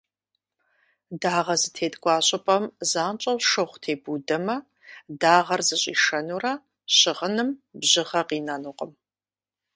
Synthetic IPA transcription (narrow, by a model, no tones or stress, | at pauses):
daːʁɐzɨtʰeːdʼɡʷʼɑːɕʼɪpʼɐmzaːnt͡ʃʼɐwʃɨχʷtʰeːbudɐmɐ | daːʁɐrzɨɕʼḭːʃɐnuːrɐ | ɕɪʁənɨmbʑɪʁɐqiːnanuːqʼəm